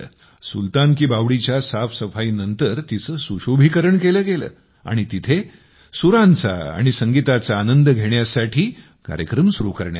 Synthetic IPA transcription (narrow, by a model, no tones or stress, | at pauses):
sult̪ankiːbaʋɽit͡ɕjasafsəfaiːnənt̪əɾt̪it͡səːsuɕobʱikəɾəɳkeləːɡelə̰ː | a̰ɽ̃it̪it̪ʰe | suɾãnt͡sa̰a̰ɽ̃isəŋɡit̪at͡saːnənd̪əɡʱeɳjasaʈʰiː | ka̰ɾjəkɾəmsuɾukəɾɳja